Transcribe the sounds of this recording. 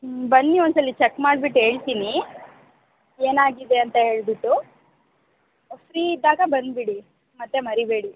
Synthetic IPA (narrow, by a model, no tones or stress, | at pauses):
bɐnːiond̪sɐlːit͡ʃekmaːɽbiʈːɦe̞ːɭt̪ini | eːnaːɡid̪e̞ɐnt̪ɐɦe̞ːɭbiʈːu | fɾiːid̪ːaːɡɐbɐnd̪biɽi | mɐt̪ːemɐɾibeːɽi